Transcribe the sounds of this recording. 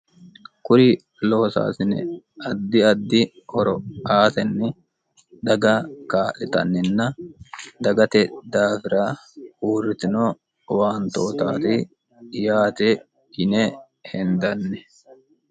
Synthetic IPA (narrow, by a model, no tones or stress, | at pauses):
kʊɾɪ | lɔsa̰ːsɪnɛ̰ | ɐd̪ːɪɐd̪ːɪ | hɔɾɔaːsɛnːɛ | d̪ɐɡɐkaːʔɪt̪ɐ̰nːɪnːɐ | d̪ɐɡɐt̪ɛd̪aːfɪɾauːrːɪt̪ɪnoː | waːnt̪oːt̪a̰ːt̪ɪ | jaːt̪ɛ | ɪnɛ | hɛnd̪ɐnːɛ